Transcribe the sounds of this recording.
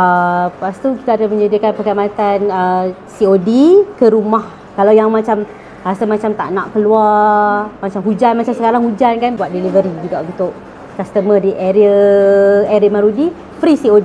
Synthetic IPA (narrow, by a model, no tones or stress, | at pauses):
əpast̪uki̥t̪aːdaməɲədikanpəkamat̪anəsiodikəɾumah | kalawjaŋmat͡ʃam | hast̪əmat͡ʃamt̪a̰ʔnaʔkəlua | mat͡ʃamɦud͡ʒanmat͡ʃamsəkaɾaŋhud͡ʒankanbuat̪̚delivəɾid͡ʒuɡaʔunt̪ʊʔ | kast̪əmədiʔeɾiə | eɾəmaɾudi | fɾisiodi